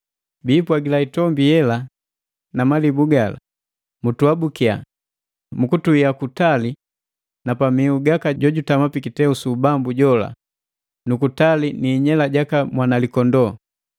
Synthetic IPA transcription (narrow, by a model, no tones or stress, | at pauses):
biːpwaɡilaitɔmbijɛla | namalibuɡala̰ | mutuabukia̰ | mukutuiakutali | napamiuɡakaɟɔɟutamapikitɛusubambuɟɔla̰ | nukutaliniːɲɛlaɟakamwanalikɔndɔ